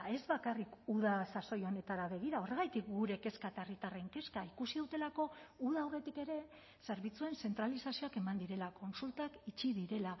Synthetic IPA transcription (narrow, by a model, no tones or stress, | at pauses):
e̞zbakarikuð̞asaso̞jo̞ne̞t̪aɾaβe̞ɣ̞iɾao̞re̞ɣ̞ajt̪ikɡuɾe̞ke̞skat̪arit̪are̞ŋke̞skaikusið̞ut̪e̞lako̞uð̞aːwre̞t̪ike̞ɾe̞ | se̞ɾβit͡sue̞nse̞nt̪ɾalisasio̞ake̞mand̪iɾe̞lako̞nsult̪akit͡ʃið̞iɾe̞la